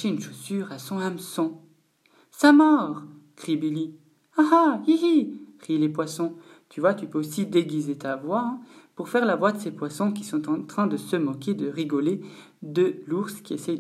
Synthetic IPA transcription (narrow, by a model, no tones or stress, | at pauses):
ʃeynʃosyʁasɔ̃amsɔ̃ | samɔʁ | kχibili | aɦaiikχilepwasɔ̃ | t̪yvwat̪ypøosid̪eɡʲizet̪avwãpuʁfɛʁlavwad̪əsepwasɔ̃k̬ʲisɔ̃t̪ɑ̃t̪χɛ̃d̪əsəmɔkʲed̪əʁiɡɔle | d̪əluʁskʲiesɛj